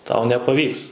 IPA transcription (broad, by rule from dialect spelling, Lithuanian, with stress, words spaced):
tɐʊ nʲɛpɐˈʋʲiːks